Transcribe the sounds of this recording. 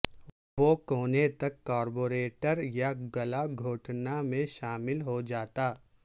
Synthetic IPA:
ʋokoːnet̪ɐkːaːɾboːɾeːʈəɾjaɡɐlaɡʱoːʈnamẽʃaːmɪlɦod͡ʒaːt̪aː

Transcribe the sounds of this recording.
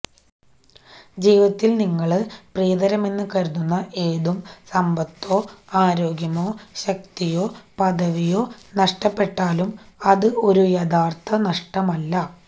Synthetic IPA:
d͡ʑiːʋɐt̪ːilniŋːɐɭɨprijɐd̪ɐɾɐme̞nːɨkɐɾunːunːɐʔe̞ːðumsɐmbɐt̪ːo̞ːaːɾo̞ːɡjɐmo̞ːɕɐk̚t̪ijo̞ːpɐðɐʋijo̞ːnɐʂʈɐpːe̞ʈːaːlumɐðɨo̞ɾujɐd̪ʱaːrt̪ʰɐnɐʂʈɐmɐlːɐ

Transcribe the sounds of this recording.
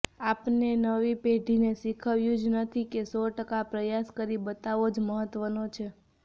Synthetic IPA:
apnenəʋipeɖʱinesikʰəʋjũd͡ʒnət̪ʰikesɔʈəkapɾəjaskəɾibət̪aʋod͡ʒməɦət̪ʋənot͡ʃʰe

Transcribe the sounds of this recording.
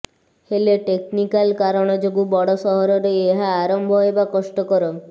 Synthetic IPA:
heleʈeknikalkaɾɔɽ̃ɔd͡ʒoɡubɔɽɔsɔɦɔɾɔɾeeɦaːɾɔmbʱɔɦojbakɔsʈɔkɔɾɔ

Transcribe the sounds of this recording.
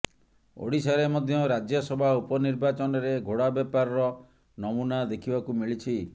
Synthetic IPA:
o̰ɽisaɾemɔd̪ʱjɔɾad͡ʒjɔsɔbʱaupɔniɾbat͡ʃɔnɔɾeɡʱoɽabjapaɾɔɾɔ | nɔmunad̪ekʰibakumiɭit͡ʃʰi

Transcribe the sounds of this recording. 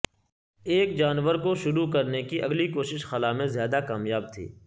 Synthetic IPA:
eːkd͡ʒaːnʋəɾkoʃʊɾukɐɾnekiʔɐ̰ɡlikoːʃɪʃxɐlamẽzjaːd̪akaːmjaːb̚t̪ʰḭː

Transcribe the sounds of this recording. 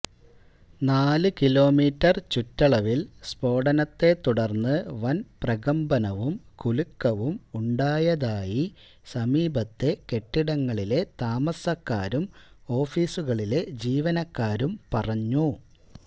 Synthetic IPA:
naːlɨkilo̞ːmiːtːɐrt͡ɕutːɐɭɐʋilspo̞ːɽɐnɐt̪ːe̞t̪ːuɽɐrnːɨʋɐnprɐɣɐmbɐnɐʋumkulukːɐʋumuɳɖaːjɐðaːji | sɐmiːbɐt̪ːe̞ke̞ʈːiɽɐŋːɐɭile̞t̪aːmɐsɐkːaːɾumo̞ːfiːsuɣɐɭile̞d͡ʑiːʋɐnɐkːaːɾumpɐrɐɲːu

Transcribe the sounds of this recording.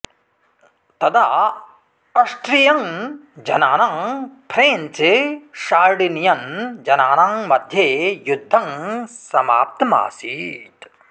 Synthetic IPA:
t̪ɐd̪a | ɐʂʈɾijɐŋd͡ʒɐnaːnaŋpʰɾeːnt͡ʃeʃaːɾɖinjɐnd͡ʒɐnaːnaːŋmɐd̪ʱjejud̪ʱːɐŋsɐma̰ːp̚t̪ɐma̰ːsḭːt̪

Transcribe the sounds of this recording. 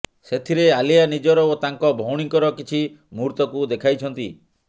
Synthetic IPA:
set̪ʰiɾealijanid͡ʒɔɾɔot̪aŋkɔbʱɔwɽ̃iŋkɔɾɔkit͡ʃʰi | muɾt̪ɔkud̪ekʰajt͡ʃʰɔnt̪i

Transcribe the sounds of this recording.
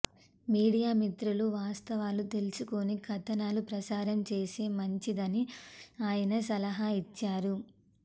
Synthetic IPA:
miːɽijaːmit̪ɾuluʋaːst̪ɐʋaːlut̪e̞lusukonikʰɐt̪ɐnaːlupɾɐsaːɾɐmt͡ʃe̞ːseːmɐɲt͡ʃid̪ɐniaːjɐnɐs̬ɐlɐɦait͡ʃːaːɾu

